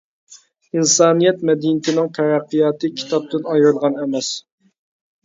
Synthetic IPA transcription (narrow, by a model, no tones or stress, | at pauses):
insɑːnijɛt̪̚mɛd̪inɪt̪ʰɪnɪŋt̪ʰɛɾæqːijɑːt̪ɨkʲʰi̥t̪ʰɑp̚t̪ɨnɑjɾɨlˠʁɑnɛmɛs